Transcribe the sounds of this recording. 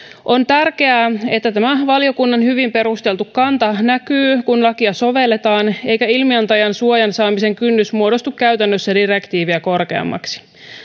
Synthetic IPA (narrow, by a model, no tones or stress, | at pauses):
ʔo̞nt̪ærke̞æːe̞t̪ːæt̪æmæʋɑlijo̞kunːɑnhyʋimpe̞ɾust̪e̞lt̪ukːɑnt̪ɑnækyːkunlɑkiɑso̞ʋe̞lːe̞t̪ɑːne̞jkæilmiɑnt̪ɑjɑnsuojɑnsɑːmise̞ŋkynːysmuo̞do̞st̪ukkæɥt̪ænːøsːædiɾe̞kt̪iːʋiæko̞rke̞ɑ̰mːɑ̰ksi̥